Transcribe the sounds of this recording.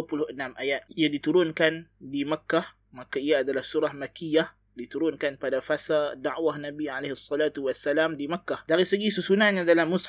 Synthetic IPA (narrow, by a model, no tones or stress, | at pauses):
pulʊhʔənamʔajat̪̚ijadit̪uɾʊnkandimakːah | makaijaːdalahsuɾahmakijah | dit̪uɾʊnkanpadafasadaʕwahnabiʕaleɦsːɑlaːt̪uwasːalamdimakːadaɾisəɡisəsunahɲadalamːʊs